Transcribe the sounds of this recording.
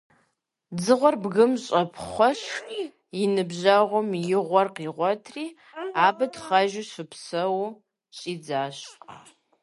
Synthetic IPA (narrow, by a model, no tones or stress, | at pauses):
d͡zɨʁʷɔrbɣɨmɕʼɐpʰχʷɔɕ | jɪnɨbʑɐʁʷʊmjɪʁʷɔrqiːʁʷɔtʰriː | aːbɐtχɐʒɪɕɨpʰsɐw | ɕʼiːd͡zaːɕ